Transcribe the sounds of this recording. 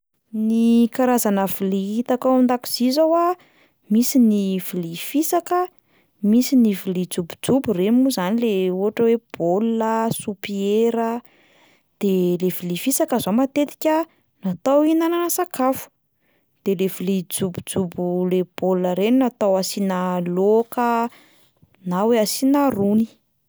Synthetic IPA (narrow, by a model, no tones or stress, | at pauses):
nikaɾazanəviliit̪akaand̪aki̥z̥izawa | misinivilifisakə | misinivilid͡zubu̥d͡zuburemuzanileuɦaʈ͡ʂəweb̥oləsupieɾə | d̪̥elev̥ilifisakəzomat̪et̪i̥kʲə | nat̪awinananasakafu̥ | d̪̥elevilid͡zubu̥d͡zubuleb̥oləɾeninat̪awasinalokə | naweasinaruni̥